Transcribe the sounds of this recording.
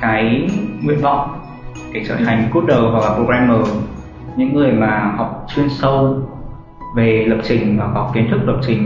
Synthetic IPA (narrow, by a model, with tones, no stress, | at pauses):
kaː˨˦jŋḭ˧˨ənvɔ̰˧˨wŋ͡m | ke˨˩t͡ɕə̰ː˧˩jha˨˩jŋ̟ku˦˥ət̚ɗə˨˩wvɔ˨˩k̚laː˨˩po˧ɣɛ˧mːəː˨˩ | ɲɨ̰˧˥ŋːɨ˨˩əjmaː˨˩hɔ˨˩wk͡p̚t͡ɕwi˧ənsə˧w | ve˨˩lə˨˩p̚t͡ɕï˨˩ŋ̟vaː˨˩kɔ˨˦ki˨˦ənt̪ʰɨ˦˥k̚lə˨˩p̚t͡ɕï˨˩ŋ̟